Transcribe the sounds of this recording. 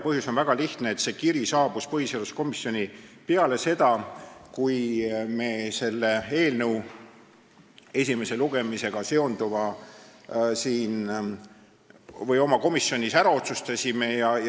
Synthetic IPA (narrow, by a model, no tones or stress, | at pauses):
pɤɦjuso̞nvæɡ̥ɑliht̪neːt̪se̞ːkiɾisɑːb̥uspɤɦiselusko̞misːjo̞nʲipe̞ɑle̞se̞d̪̥ɑkujme̞ːse̞lːe̞e̞ːlnəuw | e̞s̬ʲime̞se̞luɡ̥e̞mise̞ɡ̥ɑse̞o̞nd̪uvɑ | siːn | vɤjo̞mɑko̞misːjo̞nʲisæɾɑo̞t̪sust̪ɑsime̞jɑ